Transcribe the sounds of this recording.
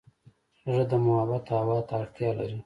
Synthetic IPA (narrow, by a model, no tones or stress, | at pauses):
ʐəd̪əmʊhabat̪awɑt̪aːɽt̪jɑlaɾi